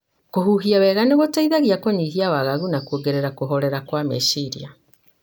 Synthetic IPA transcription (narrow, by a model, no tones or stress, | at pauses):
koɦuɦiawɛɣaneɣotaiðaɣiakoɲiɦiawaɣaɣunakuoɡeɾeɾakoɦɔɾɛɾakwamḛsiɾḭa